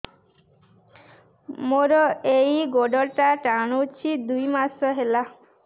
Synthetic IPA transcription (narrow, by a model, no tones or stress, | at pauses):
moɾɔejɡoɖɔʈaʈaɽ̃out͡ʃʰid̪ujmasɔɦela